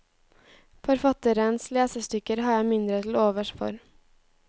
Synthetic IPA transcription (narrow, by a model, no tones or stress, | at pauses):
fɔɾfɑt̪əɾənsleːsəst̪ʏkəɾhɑːjæɪmɪnd̪ɾət̪ʰl̩oːʋəʃfɔ̰ɾ